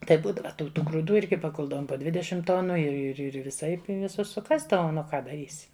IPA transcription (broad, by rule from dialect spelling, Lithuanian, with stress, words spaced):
ˈtɐɪp ˈbuːdɐʋɐ tɐɪ jɛʊ tuː ɡruːˈduː ˈɪrʲɡʲɪ pɐˈkʊlˠdɐʋoːm poː ˈdʲʋʲɪdʲɛʃʲɪm ˈtoːnʊ ɪr ɪr ˈɪr ʋʲɪˈsɐɪp ɪ ʋʲɪˈsʊs sʊˈkɑːzdɐʋoːm nʊ ˈkɐ dɐˈrʲiːsʲɪ